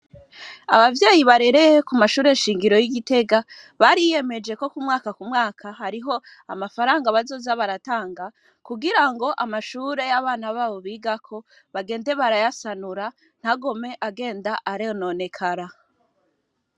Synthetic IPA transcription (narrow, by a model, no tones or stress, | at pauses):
a̰βavjaːjiβaɾe̞ɾe̞jekumaʃuːɾe̞nʃiːŋɡiɾo̞jiɡite̞ɡa | βaɾijje̞me̞d͡ʒe̞ko̞kumŋaːkakumŋaːkʰaɦaɾiɦo̞ | a̰mafaɾaːŋɡaβazo̞ːzaβaɾataːŋɡa | kuɡiɾaŋɡo̞ʔamaʃuːɾe̞jaβaːnaβaːβo̞βiːɡakʰo̞ | βaɡe̞ːnde̞βaɾajasanuɾa | n̥haɡo̞me̞ʔaɡe̞ːndaʔaɾeno̞ne̞kʰaɾa